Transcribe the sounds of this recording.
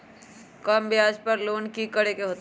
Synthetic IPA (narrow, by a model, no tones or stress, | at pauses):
kəmbjaːd͡ʒpəɾloːnkikəɽekeɦoːt̪